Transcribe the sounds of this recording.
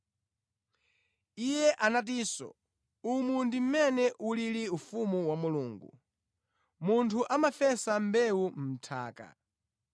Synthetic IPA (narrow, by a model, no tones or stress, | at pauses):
ijɛʔanat̬iːsɔ̰ | umundim̩mɛnɛʔuliliufumuwamuluːŋɡṵ | muntʰuʔamafɛsambɛum̩m̩tʰa̰ːka̰